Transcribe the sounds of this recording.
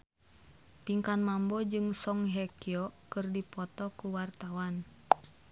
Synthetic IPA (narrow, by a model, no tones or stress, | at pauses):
piŋkanmambɔd͡ʒɨŋsɔŋɦɛkiɔkɨrdipɔt̪ɔkuwart̪awan